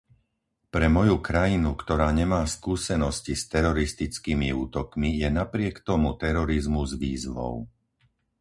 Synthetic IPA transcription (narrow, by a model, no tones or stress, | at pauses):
pɾɛmɔjukɾajinukt̪ɔɾaːɲɛmaːskuːsɛnɔscist̪ɛɾɔɾist̪it͡skiːmiuːt̪ɔkmijɛnapɾɪɛkt̪ɔmut̪ɛɾɔɾizmuzʋiːzʋɔ̰ʊ